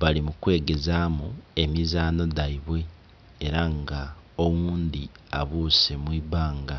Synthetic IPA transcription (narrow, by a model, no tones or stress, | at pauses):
βalimukwe̞ːɡe̞zaːmue̞mizaːno̞daiβwe̞ː | ɾaŋɡa | owuːnd̪iaβuːse̞mwiːβaːŋɡa